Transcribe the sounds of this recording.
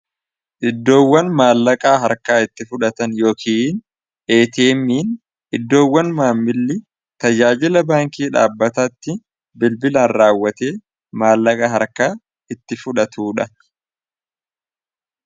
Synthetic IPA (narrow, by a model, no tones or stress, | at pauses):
ʔɪd̪ːo̞ːwːɐnmaːlːɐkʼaːɦɐɾkaːɪt̪ːɪfʊᶑɐt̪ɐnjo̞ːkʰiːn | ʔe̞ːt̪e̞ːmːiːn | ʔɪd̪ːo̞ːwːɐnmaːmːɪlːɪ | t̪ɐd͡ʒaːd͡ʒɪlɐbaːŋkiːᶑa̰ːbːɐt̪ɐt̪ːɪ | bɪlbɪlaːnɾaːwːɐt̪e̞ː | maːlːɐkʼɐɦɐɾkaː | ɪt̪ːɪfʊᶑɐt̪uːᶑɐ